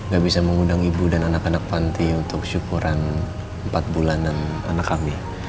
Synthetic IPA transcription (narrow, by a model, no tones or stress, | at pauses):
ŋɡaʔbisaməŋundaŋibudananakanak̚pant̪iunt̪ʊkʃukuɾan | əmpat̪̚bulandana̰nakami